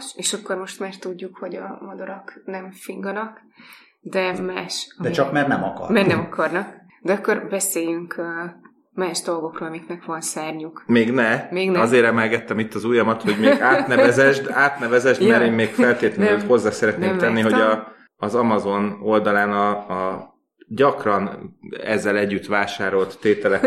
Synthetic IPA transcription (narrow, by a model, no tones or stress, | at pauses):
ʃeːʃɒkːo̞rmo̞ʃt̪maːrt̪uɟːukho̞ɟɒmɒd̪oɾɒknɛmfiŋɡɒnɒk | d̪ɛmaːʃɒd̪ɛit͡ʃɒkmɛrnɛmɒkɒ̰rmɛrnɛmɒkɒrnɒk | d̪ɛɒkːo̞rbɛseːjyŋkø | maːʒd̪o̞lɡo̞kroːlɒmiknɛkʋɒnsaːrɲukmeːɡnɛmeːɡnɒzeːɾɛmɛlɡɛt̪ːɛmit̪ːɒzujɒmɒt̪ho̞ɟmeːɡaːt̪nɛvɛzɛʒd̪aːt̪nɛvɛzɛʒd̪mɛɾeːmmeːɡkfɛlt̪eːt̪lɛt̪ho̞zːaːsɛɾɛt̪neːmt̪ɛnːiɦo̞ɟɒː | zɒmɒzo̞no̞ld̪ɒlaːnɒː | ɟɒkrɒnɛzːɛlɛɟːyt̪ʋaːʃaːɾo̞lt̪ːeːt̪ɛlɛk